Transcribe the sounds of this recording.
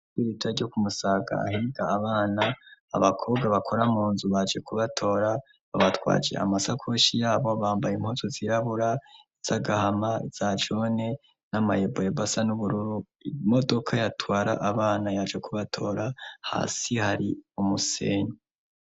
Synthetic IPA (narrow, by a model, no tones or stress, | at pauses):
iɾitʰaɾɟokumusaːɡa̰a̰hiiɡaːβaːnaa̰βakʰo̞ːbɡaβakʰo̞ɾamuːnzuβad͡ʒe̞kuβatʰo̞ːɾa | βaβatwa̰ːd͡ʒḛa̰masakʰoʃijaːβo̞βaːmbajim̥huzoziɾaβuɾaiz̥aɡahamaiz̥ad͡ʒo̞ne̞ | nama̰jebojebasanuβuɾuɾu | modo̞kʰajatwaːɾa̰ʔaβaːnajad͡ʒɡekuβatʰo̞ːɾaha̰ːsihaɾiumusḛːɲo